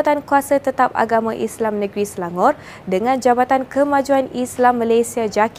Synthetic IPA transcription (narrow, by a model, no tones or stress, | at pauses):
t̪ankuasət̪ət̪ap̚a̰ɡamãʔislamnə̃ɡɾisəlaŋɔr | dəŋãnd͡ʒabat̪ankəmãd͡ʒuanislamːãlajsiad͡ʒak